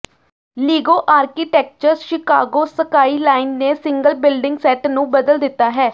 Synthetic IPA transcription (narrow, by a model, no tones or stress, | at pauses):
liːɡoːʔaːɾkiːʈɛːk̚t͡ʃəɾzʃɪka̰ːɡoːsəkaːiːlaːɪnːeːsɪŋɡəlbɪlɖɪŋɡsɛːʈnũːbəd̪əld̪ɪt̪ːaːɦɛː